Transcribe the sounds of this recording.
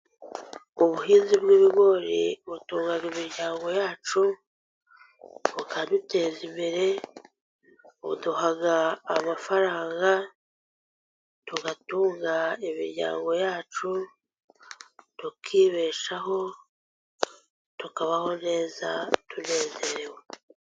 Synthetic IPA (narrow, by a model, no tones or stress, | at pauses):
uβuɦiːnzibɡiːβiɡo̞ɾḭβutuːŋɡaɡimiɾɟaːŋɡo̞jaːt͡ʃu | βukadute̞ːzimbeɾe̞ | βṵduɦaɡaːmafaɾaːŋɡa | tuɡatuːŋɡaimḭɾɟa̰ːŋɡo̞jaːt͡ʃu | tukʰiːβe̞ːʃaɦo̞ | tukaβaho̞ne̞ːza̰tʰune̞ːze̞ɾewe